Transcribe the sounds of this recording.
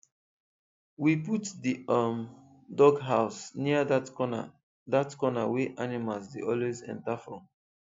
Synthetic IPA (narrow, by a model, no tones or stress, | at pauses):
wiputdiʌm | dɔɡɦaʊsniadana̰ | datkɔnaweʔanimalsdeʔɔlwezɛ̰̃ntafɹɔ̃m